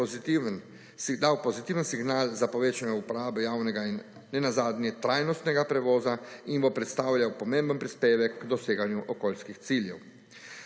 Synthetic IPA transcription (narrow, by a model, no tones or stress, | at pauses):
iin | d̪awpɔzit̪iːʋənsiɡnaːlzapɔʋeːt͡ʃanɛupɔɾaːbɛjawnɛɡainː | ɛnazaːd̪nʲjɛt̪ɾaːjnɔst̪nɛɡapɾɛʋɔːzainbɔpɾɛt̪st̪aːwljawpɔmẽmbənpɾispeːʋɛkːd̪ɔseːɡanjuʔɔkoːlskixt̪siljɛw